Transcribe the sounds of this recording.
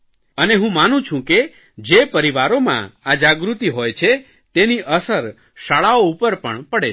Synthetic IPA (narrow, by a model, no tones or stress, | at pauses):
əneɦũmanũt͡ʃʰũke | d͡ʒepəɾiʋaɾomã̰ad͡ʒaɡɾut̪iɦojt͡ʃʰe | t̪eniʔəsəɾ | ʃaɭaoupəɾpəɳpəɽe